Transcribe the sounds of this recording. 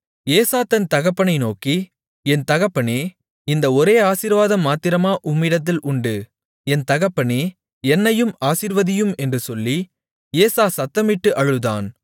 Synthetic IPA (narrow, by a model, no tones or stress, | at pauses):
eːsaːt̪ɐnt̪ɐɣɐpːɐɳɐɪnoːki | ɛnt̪ɐɣɐpːɐneː | ɪnd̪ɐɔɾeːaːsiːɾʋaːðɐmːaːt̪ːɪɾɐmaːʔʊmːɪɽɐt̪̬ːɪlʔʊɳɖɯ | ɛnt̪ɐɣɐpːɐɳeː | ɛnːɐjɯmaːsiːɾʋɐðɪjɯmɛndrɯsɔlːi | eːsaːsɐt̪ːɐmɪʈːɯʔɐɻɯða̰ːn